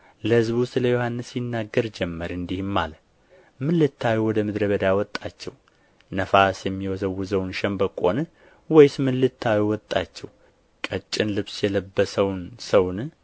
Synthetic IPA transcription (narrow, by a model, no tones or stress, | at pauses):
ləhɨzbwʊst̪ləjo̞hanːɨsjɪnːaɡːəɾd͡ʒɛmːəɾɨnd̪ihmːal | mɨlːɨt̪ʰːawiwɔd̪əmɨd̪ɾəβəd̪awɔt̪ʼːat͡ʃːɛw | nəfasjɛmːiwɔzəwːuzəwnʃɛmbəkʼo̞nɨ | wɔjsmɨlːɨt̪ʰːawiwɔt̪ʼːat͡ʃːɛw | kʼət͡ʃʼːɪnlɨβsjɛləbːəsəwnsəwn